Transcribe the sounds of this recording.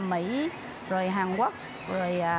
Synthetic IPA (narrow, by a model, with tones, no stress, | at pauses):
mḭ˧˥ | zo˨˩jɦaː˨˩ŋka˦˥k̚ | zo˨˩j